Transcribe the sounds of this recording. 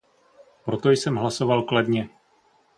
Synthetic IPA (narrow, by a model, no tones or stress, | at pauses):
pɾot̪o̞jsɛmɦlasovalkladɲɛ